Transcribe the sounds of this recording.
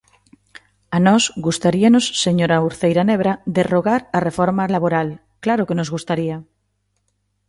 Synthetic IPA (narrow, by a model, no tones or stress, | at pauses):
anɔsɡust̪aɾianosːeɲoɾauɾθejɾaneβ̞ɾaðeroɣaɾarefoɾmalaβoɾal | klaɾokenozɣust̪aɾia